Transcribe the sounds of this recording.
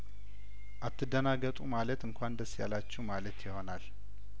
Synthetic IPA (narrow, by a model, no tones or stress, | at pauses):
ʔat̪ːɨd̪ənaɡət̪ʼumalət̪ɨŋkʷʰand̪əsːja̰lat͡ʃːɛwmalət̪jɪho̞nal